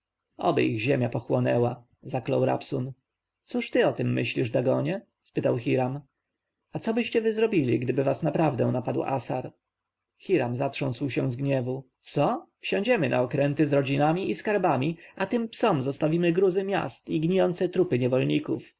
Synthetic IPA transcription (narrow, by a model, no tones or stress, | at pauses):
ɔ̰bɛ̰ʔiɣʑɛmʲjapɔxwɔnɛwa | zaklɔwɾa̰psɔn | t̪suʂt̪ɘɔt̪ɛmːɘ̰ɕlʲiʐd̪aɡɔɲɛ | spɘt̪awxʲiɾam | at̪sɔbɘɕt͡ɕɛvɘzɾɔbʲilʲḭɡd̪ɘbɘvasnapɾavd̪ɛ̃napad̪wʔa̰sa̰ɾ | xʲiɾamzatʂɔ̃nswɕɛ̃zɡɲɛvu | t̪sɔfɕɔ̃ɲd͡ʑɛmɘnʔa̰ɔkɾɛnt̪ɘzɾɔd͡ʑinamʲiiskaɾbamʲiat̪ɘmpsɔmzɔst̪avʲimɘɡɾuzɘmʲja̰st̪iɡɲijɔnt̪sɛt̪ɾupɘɲɛvɔlɲikṵf